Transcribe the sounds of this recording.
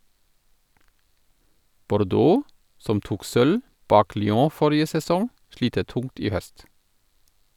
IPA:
bɔɾˈdoː ˈsɔm ˈtuːk ˈsœl ˈbɑːk lʏˈoː ˈfɔɾɪə sɛˈsɔŋ ˈʃliːtə ˈtʊŋt ˈiː ˈhœst

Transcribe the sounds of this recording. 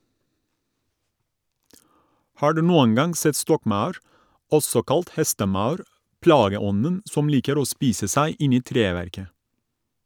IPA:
ˈhɑː ˈɖʉː ˈnuːəŋ ˈɡɑŋ ˈsɛt ˈstɔkˌmɑʉɾ ˈɔsɔ ˈkɑlt ˈhɛstəˌmɑʉɾ ˈplɑːɡəˌɔnən ˈsɔm ˈliːkəɾ ˈoː ˈspiːsə ˈsæɪ ˈɪn ˈiː ˈtɾeːʋæɾkə

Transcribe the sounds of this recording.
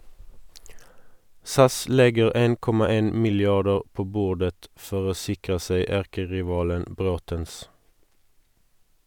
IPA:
ˈsɑs ˈlɛɡəʁ ˈeːn ˈkɔmɑ ˈeːn mɪlˈjɑdəʁ ˈpoː ˈbuːʁdət ˈfɔʁ ˈoː ˈsɪkʁə ˈseɪ ˈæʁkəʁɪˌʋɑːlən ˈbʁoːtəns

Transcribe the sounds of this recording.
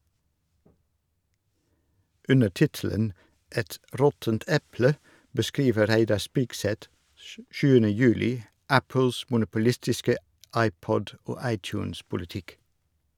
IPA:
ˈʉnə ˈʈɪtl̩ən ˈɛt ˈɾɔtənt ˈɛplə bəˈskiːʋə ˈɾæɪdɑɾ ˈspɪɡsɛt ə ˈʃʉːənə ˈjʉːlɪ ˈæpl̩s mʊnʊpʊˈlɪstɪskə ˈɑɪˌpɔd ˈoː ˈɑɪˌtjʉːns pʊlɪˈtɪk

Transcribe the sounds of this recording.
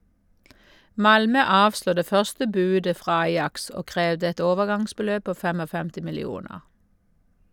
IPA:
ˈmɑlmœ ˈɑːʋsluː ˈdeː ˈfœʁstə ˈbʉːdə ˈfʁɑː ˈɑjɑks ˈoː ˈkʁeːʋdə ˈɛt ˈoːʋəˌɡɑŋsbəˌløːb ˈpoː ˈfɛmɔˌfɛmtɪ mɪlɪˈuːnəʁ

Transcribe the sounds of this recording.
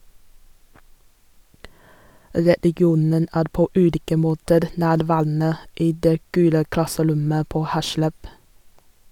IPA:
ɾɛlɪˈɡjuːnən ˈæːɾ ˈpoː ˈʉːliːkə ˈmoːtəɾ ˈnæːɾˌʋæːɾn̩ə ˈiː ˈdeː ˈɡʉːlə ˈklɑsəˌɾʊmə ˈpoː ˈhæʃləb

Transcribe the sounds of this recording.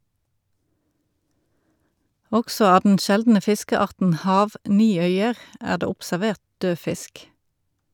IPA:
ˈɔksɔ ˈɑː dn̩ ˈʃɛldn̩ə ˈfɪskəˌɑʁtn̩ ˈhɑːʋˌniːˌœʏəʁ ˈæːʁ ˈdeː ʊpsæˈʋeːʁt ˈdøː ˈfɪsk

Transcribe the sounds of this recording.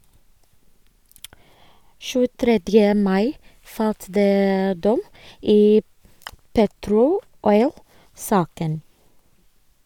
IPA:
ʃʉːəˈtɾɛdjə ˈmɑɪ ˈfɑlt ˈdeː ˈdɔm ˈiː ˈpeːtɾʊ ˈɔʏlˌsɑːkən

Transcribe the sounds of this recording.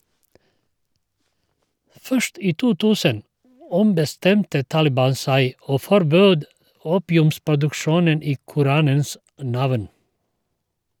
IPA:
ˈfœʃt ˈiː ˈtuː ˈtʉːsən ˈɔmbəˌstɛmtə ˈtɑːlɪˌbɑːn ˈsæɪ ˈoː fɔɾˈbøːd ˈuːpɪʉmspʊdʉkˌʃuːnən ˈiː kʊˈɾɑːnəns ˈnɑʋn

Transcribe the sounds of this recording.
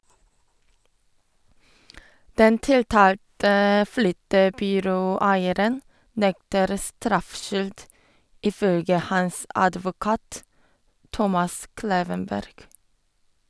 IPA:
ˈdɛn ˈtɪlˌtɑːltə ˈflʏtəbʏˌɾoːˌæɪəɾən ˈnɛktəɾ ˈstɾɑfˌʃʏld ˈiː ˈfœlɡə ˈhɑs ˈɑdʋʊˌkɑːt ˈtɔmɑs ˈkleːʋənˌbæɾɡ

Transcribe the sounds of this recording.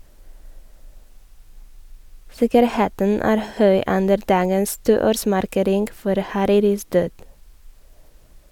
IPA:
ˈsɪkəɾˌheːtən ˈæːɾ ˈhœʏ ˈʉndəɾ ˈdɑːɡəns ˈtuːˌoːɾsmɑɾˌkeːɾɪŋɡ ˈfɔɾ hɑˈɾiːɾɪs ˈdøːd

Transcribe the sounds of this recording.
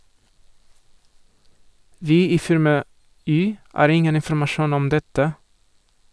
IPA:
ˈʋiː ˈiː ˈfɪɾmɑ ˈyː ˈɑːɾ ˈɪŋən ɪnfɾ̩mɑˈʃuːn ˈɔm ˈdɛtə

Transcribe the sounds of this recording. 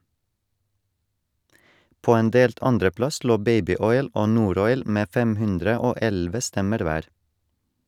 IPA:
ˈpoː ˈeːn ˈdeːlt ˈɑnɖəˌplɑs ˈloː ˈbeɪbɪˌɔʏl ˈoː ˈnuːˌɾɔʏl ˈmeː ˈfɛm ˈhʉndɾə ˈoː ˈɛlʋə ˈstɛməɾ ˈʋæːɾ

